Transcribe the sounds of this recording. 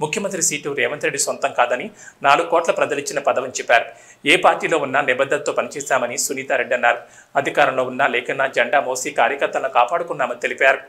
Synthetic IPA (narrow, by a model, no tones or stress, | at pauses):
mukʰjɐmɐnt̪ɾisiːʈuɾɛːʋɐnt̪ɾeɖːisʋont̪ɐmkaːd̪ɐninaːluɡukɔːʈlɐpɾɐd̪ɐlit͡ʃːinɐpɐd̪ɐʋɐmt͡ʃɛpːaːɾu | eːpaːɾʈiːlo̞ːunːanibɐd̪ʱːɐnɐt̪o̞ːpɐnit͡ʃɛːsaːmɐnisuniːt̪aːɾeɖːɐnːaːɾu | ɐd̪ʱikaːɾɐmlo̞ːunːaːlɛːkɐnːaːd͡ʒɐɳɖaːmoːsiːkaːɾjɐkɐɾt̪ːɐlnokaːpaːɽukunːaːmɐnit̪elipjaːɾu